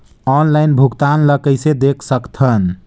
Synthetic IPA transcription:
ɔnlaɪnbʱuɡt̪anləkəjsed̪ekʰsəkt̪ʰən

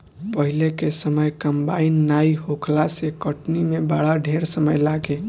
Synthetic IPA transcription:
pəɦilekesəməjkəmbainːaiɦokʰlasekəʈnimebaɽaɖʱeɾsəməjlaɡe

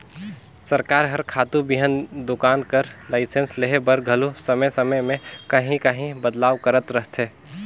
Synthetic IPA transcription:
sɐɾkaːɾɦɐɾkʰaːt̪ubɪɦənd̪ʊkaːnkəɾlaːɪsensleɦebəɾɡʱɐlusɐməjsɐməjmẽkɐɦĩkəɦĩbəd̪laːʋkəɾət̪ɾəɦt̪ʰeː

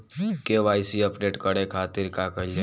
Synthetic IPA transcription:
keʋaːjsiəpɖeːʈkəɽekʰaːt̪ɪɾkakəl

